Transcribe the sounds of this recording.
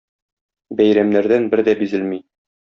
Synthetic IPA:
bæjɾæmnæɾd̪ænbɘɾd̪æbizɘlmi

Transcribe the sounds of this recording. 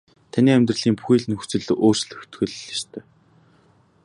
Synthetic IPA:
t̪ʰaniːæmʲt̪̬rə̆ɮiːmpu̥xiːɮɘ̆nxu̥t͡sɘ̆ɮʔoːr̥t͡ɕɮɘ̆xt̪xɘ̆ɮast̪ʰœː

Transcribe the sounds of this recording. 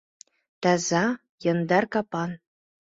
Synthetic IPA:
t̪ɑzɑ | jɤ̆nd̪ɑrkɑpɑn

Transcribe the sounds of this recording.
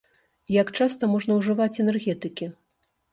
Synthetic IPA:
jakt͡ʂast̪ɐmɔʐn̪ɐwʐɨvat͡sʲɛnɛrɣʲɛt̪ɨkʲi

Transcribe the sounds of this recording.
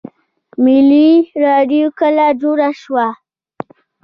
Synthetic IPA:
miliɾaɖiukəlad͡ʒuɾaʃwa

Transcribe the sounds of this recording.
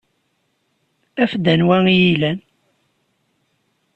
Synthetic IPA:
æfd̪ənwæŋijilæn

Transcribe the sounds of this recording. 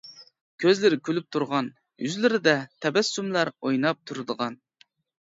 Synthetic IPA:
kʲʰøzlɪɾɪkʲʰylyp̚t̪ʰuɾʁɑn | jyzlɪɾɪd̪ɛt̪ʰɛbɛsːumlˠɑɾojnɑp̚t̪ʰuɾɨd̪əʁɑn

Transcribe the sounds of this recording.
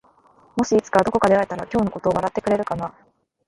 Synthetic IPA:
mo̞ɕiːt͡sɨ̥kad̪o̞ko̞kad̪e̞aet̪aɾakʲo̞ːno̞ko̞t̪o̞ːβaɾat̪ːe̞kɯɾe̞ɾɯ̟kana

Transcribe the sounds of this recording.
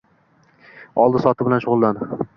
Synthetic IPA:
ɒlˠd̪ɪsɒt̪ʰɪbɪlanʃʊʁʊlˠːand̪ɪ

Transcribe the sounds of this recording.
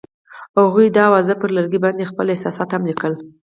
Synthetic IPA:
haɣujd̪əawɑzəpəɾləɾɡibɑnd̪expəlɪsɑsɑt̪hamlikəl

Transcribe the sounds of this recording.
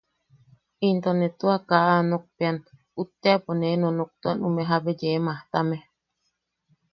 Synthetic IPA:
int̪onet̪uakaʔanok̚pean | ut̪ːeaponenonok̚t̪oanumeɦabed͡ʒemãht̪ame

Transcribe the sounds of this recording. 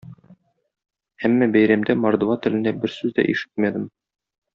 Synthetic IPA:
æmːæbæjɾæmd̪æmɑɾd̪vɑt̪ɘ̆lɘ̆nd̪æbɘɾsʉzd̪æ̰ʔiʃɘ̥t̪̚mæd̪ɘm

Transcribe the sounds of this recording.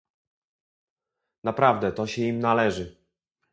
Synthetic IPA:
napɾavd̪ɛt̪ɔɕɛimnalɛʐɘ

